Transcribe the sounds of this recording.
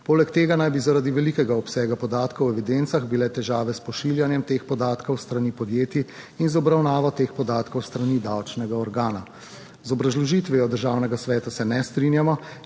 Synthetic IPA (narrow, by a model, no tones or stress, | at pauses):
poːlɛkt̪eːɡanajbizaɾad̪iʋɛlikɛɡaɔpsɛːɡapɔd̪aːt̪kɐwɛʋid̪ent̪saɣbilɛt̪ɛʒaːʋɛspɔʃiːljanjɛmt̪eːxpɔd̪aːt̪kɔwst̪ɾanipɔd̪jeːt̪i | inzɔbɾawnaːʋɔt̪eːxpɔd̪aːt̪kɔwst̪ɾaniːd̪awt͡ʃnɛɡaɔɾɡaːna | zɔbɾazlɔʒiːt̪ʋiɔd̪əɾʒaːwnɛɡasʋɛːt̪asɛnɛst̪ɾinjamɔ